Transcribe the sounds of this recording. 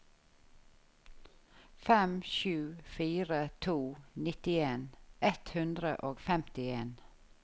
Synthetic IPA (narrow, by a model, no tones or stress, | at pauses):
fɛmʃʉːfiːɾət̪ʰuːnɪt̪ɪeːnʔɛt̪hʉnd̪ɾə̰ʔoːɡfɛmt̪ɪeːn